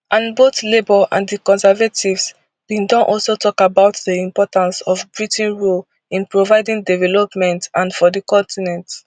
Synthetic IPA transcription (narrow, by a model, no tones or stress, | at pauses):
ʔãnbotlebɔʔã̰ndəkɔ̃nsɛvatʰivs | b̥ĩndɔ̃nʔɔlsotʰɔkabaʊtdiĩmpɔtãnsɔvbɹitĩnɹol | ĩnpɹovaɪdĩŋdɛvɛlɔpmɛ̃ntãnfɔdəkɔ̃ntinɛ̃nt